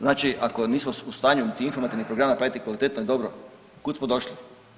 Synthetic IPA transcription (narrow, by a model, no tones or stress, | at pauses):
znaːt͡ʃiʔako̞niːsmoust̪aːɲunit̪iinfoɾmat̪iʋnixpɾoɡɾamapɾaːjit̪ikʋalit̪et̪noid̪o̞bɾo | kut̪smod̪o̞ʃli